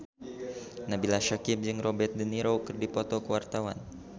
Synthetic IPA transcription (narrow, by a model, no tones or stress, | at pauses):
nabilaʃakɪp̚d͡ʒɨŋrɔbɛt̪̚dəniɾowkɨrdipɔt̪ɔkəwart̪awa̰n